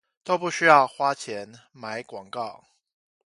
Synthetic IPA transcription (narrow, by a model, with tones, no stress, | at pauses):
t̪o˥ʊpu˥˩ɕy˥jɑ˥˨ʊxwa˦˥t͡ɕʰjɛ˨˦n | ma˧˦ɪkwɑ˨˩ŋkɑ˥˩ʊ